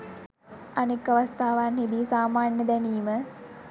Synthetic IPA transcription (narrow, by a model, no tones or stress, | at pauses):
anekːaʋɐst̪ʰaːʋanhed̪isaːmaːnjəd̪æniːmə